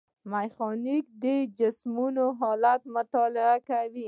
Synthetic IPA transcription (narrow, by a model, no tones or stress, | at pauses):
majxɔnikd̪əd͡ʒɪsmunoɦɔlat̪mʊt̪ɔlɪakawi